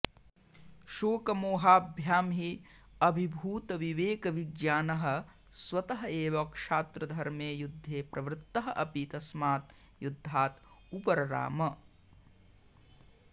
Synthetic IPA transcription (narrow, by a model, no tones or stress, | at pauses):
ʃoːkɐmoːɦaːbʱjaːmɦi | ɐbʱibʱuːt̪ɐʋiʋeːkɐʋiɡjaːnɐɦɐ̆ | swɐt̪ɐɦɐeːʋɐkʂaːt̪ɾɐd̪ʱɐɾmeːjud̪ʱːeːpɾɐʋɾt̪ːɐɦɐ̆ʔɐpit̪ɐsmaːt̪̚jud̪ʱːaːt̪ | upɐɾɐɾa̰ːmɐ